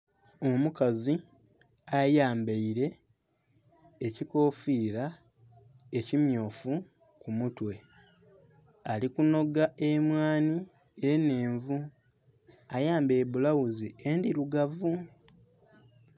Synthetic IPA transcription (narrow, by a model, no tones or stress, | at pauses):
o̞mukazi | ajaːmbeiɾe̞ | ciko̞ːfiːɾa | ecimjo̞ːfu | kumutwe̞ | alikuno̞ɡaʔemwaːni | ene̞ːɱvu | ajaːmbe̞ːβulawuziendiɾuɡavu